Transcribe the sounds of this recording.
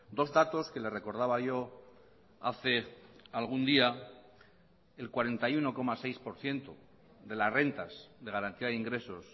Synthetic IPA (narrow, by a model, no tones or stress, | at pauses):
d̪o̞zðat̪o̞ske̞le̞re̞ko̞ɾð̞aβaʝo̞ | a̰θe̞alɣ̞und̪ia | e̞lkwaɾe̞nt̪ajuno̞ko̞masejspo̞ɾθje̞nt̪o | ðe̞lasre̞nt̪asðe̞ɣaɾant̪iaðeiŋɡɾe̞so̞s